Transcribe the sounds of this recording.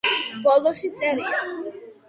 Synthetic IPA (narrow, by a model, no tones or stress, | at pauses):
bɔlɔʃit̪sʼɛɾia